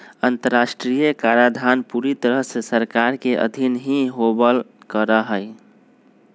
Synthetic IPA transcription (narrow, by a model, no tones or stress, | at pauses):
ənt̪əɾːasʈɾijəkaɾad̪ʱanpuɾit̪əɾəɦsesəɾkaɾkeʔə̰d̪ʱinɦiɦobəl | kəɾəɦəj